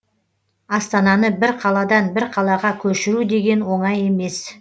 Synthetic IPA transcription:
ɑst̪ɑnɑnəbɪɾqʰɑlˠɑd̪ɑnbɪɾqʰɑlˠɑʁɑkʲʰɵʃɪɾud̪e̞ɡʲe̞nwo̞ɴɑje̞me̞s

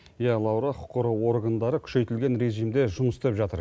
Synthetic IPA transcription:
jælˠɑwɾɑqʰʊ̥qːəɾəwo̞ɾɡand̪ɑɾəkʲʰʏ̥ʃe̞jt̪ɪlɡʲe̞nɾe̞ʒijmd̪e̞ʒʊməst̪epʒɑt̪əɾ

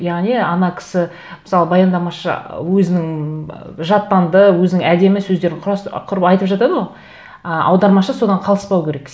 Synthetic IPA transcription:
jɑʁniɑnɑkʲʰɪ̥sɪ | məsɑlˠəbɑjɑnd̪ɑmɑʃə̰wɵzɪnɪŋ | ʒɑt̪ːɑnd̪əwɵzɪnɪŋæd̪e̞mɪsɵzd̪e̞ɾɪɴqʰɑsqʰʊɾəpɑjt̪əpʒɑt̪ɑd̪əwo | əʔɑ̰wd̪ɑɾmɑʃəso̞d̪ɑɴqʰɑlˠəspɑwkʲʰeɾe̞k

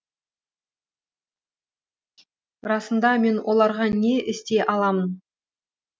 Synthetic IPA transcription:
ɾɑsənd̪ɑme̞nwʔo̞lˠɑɾʁɑne̞ʔɪst̪e̞ʔɑlˠɑmən

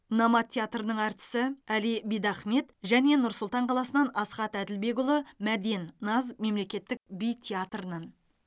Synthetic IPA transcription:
nɑmɑt̪ʰʲːeat̪rənəɴɑɾt̪ə̥sɪælijbijd̪ɑχme̞t̪ʒæne̞nʊɾsʊlˠt̪ɑɴqʰɑlˠɑsənɑnɑsχɑt̪æd̪ɪlbe̞ɡʊlˠəmæd̪innɑzme̞mle̞kʲe̞t̪ːɪk̚bijt̪ʲʰeat̪rənɑn

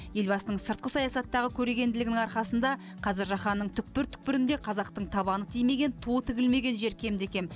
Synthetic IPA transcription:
je̞lbɑsənəɴsəɾt̪̚qəsɑjɑsɑt̪ːɑʁəkʲʰɵɾeɡʲe̞nd̪ɪlɪɡɪnɪŋɑɾχɑsənd̪ɑ | qʰɑzɪɾʒɑχɑnːəɴt̪ʰʏk̚pɪɾt̪ʰʏ̥k̚pɪɾɪnd̪e̞qʰɑzɑq̚t̪əɴt̪ʰɑβɑnət̪ʰijme̞ɡʲe̞nt̪ʰot̪ʰɪɡʲɪlme̞ɡʲe̞nʒe̞ɾkʲʰe̞md̪ekʲe̞n

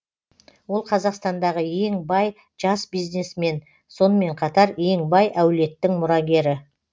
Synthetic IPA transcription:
wo̞lˠqʰɑzɑqst̪ɑnd̪ɑʁəje̞ŋbɑj | ʒɑsbijzne̞sme̞n | so̞nəme̞ɴqʰɑt̪ɑɾje̞ŋbɑjʔæwle̞t̪ːɪŋmʊɾɑɡʲe̞ɾɪ

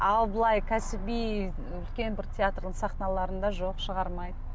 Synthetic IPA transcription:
ɑlˠbəlˠɑjkʲʰæsɪbij | ʏlkʲe̞nbɪɾt̪ʲʰeat̪rd̪əɴsɑχnɑlˠɑɾənd̪ɑʒoqʃəʁɑɾmɑjd̪ə

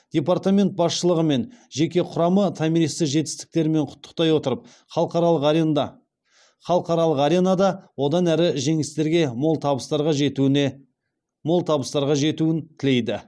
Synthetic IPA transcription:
d̪̥ʲe̞part̪amʲe̞nt̪̚bɑsʃəlˠəʁəme̞nʒe̞kʲe̞qʰʊɾɑmət̪ʰɑmiɾist̪ɪkʒe̞t̪ɪ̥st̪ɪ̥k̚t̪e̞ɾme̞ɴqʰʊ̥t̪ʰːə̥q̚t̪ɑjwo̞t̪əɾəp̚ | qɑɾˠ | χɑlˠəqɑɾɑlˠəqɑɾe̞nɑd̪ɑwo̞d̪ɑnæɾɪʒe̞ŋɪst̪e̞ɾɡʲe̞lˠt̪ʰɑbəst̪ɑɾʁɑʒ | molˠt̪ʰɑbəst̪ɑɾʁɑʒe̞t̪uɪnt̪ʰɪle̞jd̪ɪ

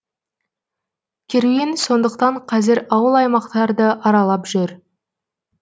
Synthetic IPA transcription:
kʲʰeɾenso̞nd̪əqt̪ɑɴqʰɑzɪɾɑwəlˠɑjmɑqt̪ɑɾd̪əʔɑɾɑlˠɑpʒʏɾ

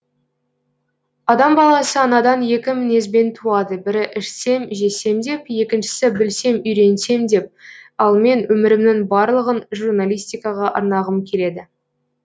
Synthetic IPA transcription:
ɑd̪ɑmbɑlˠɑsəɑnɑd̪ɑnje̞kʲɪmɪne̞zbe̞nt̪ʰuɑd̪əbɪɾɪʔɪʃse̞mʒe̞se̞md̪e̞pje̞kʲɪnʃɪ̥sɪbɪlse̞mʏjɾe̞nse̞md̪e̞p̚ɑlˠme̞nwɵmɪɾɪmnɪŋbɑɾlˠəʁənʒurnalʲijst̪ijkɑʁɑʔɑ̰ɾnɑʁəmkʲʰe̞le̞d̪ɪ

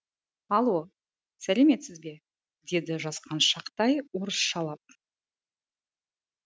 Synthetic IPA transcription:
ɑlˠwo | sæleme̞t̪sɪzbe̞ | d̪e̞d̪ɪʒɑsqɑnʃɑqt̪ɑjwoɾəsʃɑlˠɑp̚

